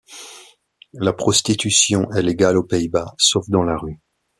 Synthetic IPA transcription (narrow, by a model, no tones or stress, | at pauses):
lapχɔst̪it̪ysjɔ̃ʔɛleɡalopeibasofd̪ɑ̃laʁy